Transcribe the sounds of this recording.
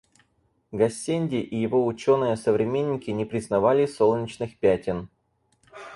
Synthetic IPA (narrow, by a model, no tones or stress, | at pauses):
ɡɐsʲːenʲdʲɪʔɪjɪvo̞ʊt͡ɕo̞nɨjəsəvɾʲɪmʲenʲːɪkʲɪnʲɪpɾʲɪznɐvalʲɪso̞lˠnʲɪt͡ɕnɨxpʲætʲɪn